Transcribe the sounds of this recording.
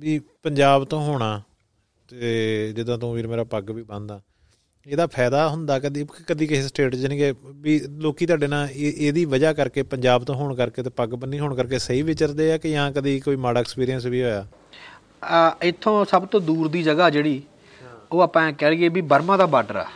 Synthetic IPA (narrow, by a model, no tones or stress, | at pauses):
biːpəɲd͡ʒaːbt̪õːɦoːɽaː | t̪ed͡ʒɪd̪ãːt̪õːmiːɾmeːɾaːpəɡʋiːbə̃nd̪aː | eːd̪aːpʰɛːd̪aːɦʊnd̪aːkəd̪ikkəd̪iːkɪsʈeːʈd͡ʒənĩːkebiːloːkiːt̪ʊaːɖeːnãːeʔeːd̪iːʋəd͡ʒaːkəɾkeːpəɲd͡ʒaːbt̪õːɦoːɳkəɾkeːt̪eːpəɡbəniːɦoːɳkəɾk̬eːsəiːʋɪt͡ʃəɾd̪eːaːkɪəɦãːkəd̪iːkoːiːmaːɽaːɛkspiːɾijənsʋiːɦoːjaː | ɪt̪ʰːõːsəbt̪õːd̪uːɾd̪iːd͡ʒəɡaːd͡ʒeːɽiː | oːaːpãɛ̃ːkɛːliːeːbiːbəɾmãːd̪aːbaːʈəɾa̰ː